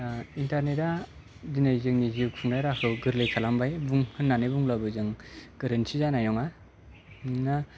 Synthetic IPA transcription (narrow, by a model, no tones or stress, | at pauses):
intaɾneta | dinajzɯŋnizipʰuŋnajɾakʰɯwɡɯɾlejkʰalambajbuŋhɯnːanɯjbuŋlabɯzɯŋɡ̥ɯɾɯnsʰizanajnɔŋa | na